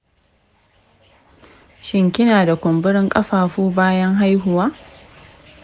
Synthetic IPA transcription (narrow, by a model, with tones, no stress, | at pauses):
ʃɪ˦ŋkʲɪ˦naː˨da˨kʷʊ˨mbɪ˦ɽɪ˦ŋkʼɐ˦ɸaː˨ɸuː˦baː˦jɐ˦ŋɦa˦jɦʊ˨waː˦